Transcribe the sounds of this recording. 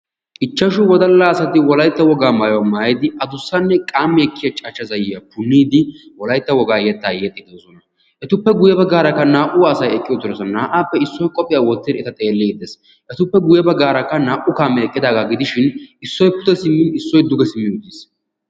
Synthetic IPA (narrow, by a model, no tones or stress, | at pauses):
ʔɪt͡ʃːɐʃʊwɔd̪ɐlːaːsɐt̪ɪwɔlɐjt̪ːɐwɔɡaːmaːjɔwɐmaːjɪd̪ɪʔɐd̪ʊsːɐnːɛkʼaːmːɛːkːɪjɐt͡ʃʼɐt͡ʃːɐzɐjɪjɐpʊnːiːd̪ɪwɔlɐjt̪ːɐwɔɡaːjɛːt̪ːaːjeːt̪ʼːɪd̪osɔnɐ | ʔɛt̪ʊpːɛɡʊjɛbɐɡaːɾɐkːɐnaːʔʊwaːsɐjɛkʼːɪjɔt̪ːʊɾɔsɐnaːʔaːpːɛɪsːɔjkʼɔpʼɪjaːwɔt̪ːɪd̪ɛt̪ɐt̪ʼe̞ːlːeːd̪ɛs | ʔɛt̪ʊpːɛɡʊjɛbɐɡaːɾɐkːɐnaːʔʊkaːmːɛɛkʼːɪd̪aːɡaɡɪd̪ɪʃɪnɪsːɔjpʊt̪ɛsɪmːɪnɪsːɔjd̪ʊɡɛsɪmːɪʊt̪ːiːs